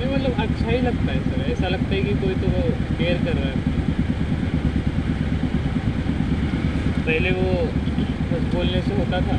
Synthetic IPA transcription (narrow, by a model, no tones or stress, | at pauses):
nɛmɐt̪ləbɐtːʃʰaɦilɐɡ̚t̪aɦɛsɐɾɛːsalɐɡ̚t̪aɦɛkik̪oːit̪oʋokeːəɾkɐɾːaɦɛ | pɛɦleʋo | kʊsboːlneseɦoːt̪at̪ʰaː